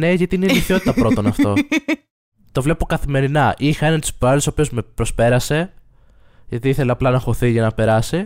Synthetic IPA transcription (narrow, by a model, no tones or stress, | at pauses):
ne̞ʝɐt̪iineiliθio̞t̪i̥t̪ɐpɾo̞t̪o̞nɐft̪o̞ | t̪o̞vle̞pokɐθime̞ɾinɐʔixɐenɐnt̪spɐɐlt̪sopiozme̞pɾospe̞ɾɐse̞ | ʝɐt̪iiθeleɐplɐnɐxo̞θiʝɐnɐpe̞ɾɐsi